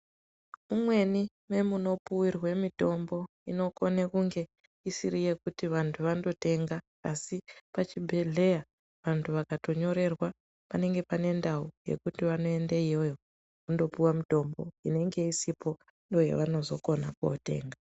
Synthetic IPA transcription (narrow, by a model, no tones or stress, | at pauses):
mumwe̞ni | me̞muno̞puwirwe̞mito̞mbo̞ | ino̞konekuŋɡe̞ | isirije̞kutiʋantʰuʋando̞te̞ŋɡaː | sipat͡ʃibʱe̞ɮe̞ja | ʋantʰuʋakato̞ɲo̞ɾe̞rwa | pane̞ŋɡe̞pane̞ndauje̞̰kutiʋano̞e̞ndeijo̞jo̞ | kundo̞puwamito̞mbo̞ine̞ŋɡe̞isipo̞ | ndo̞jḛʋano̞zo̞ko̞na̰kuo̰te̞̰ːŋɡa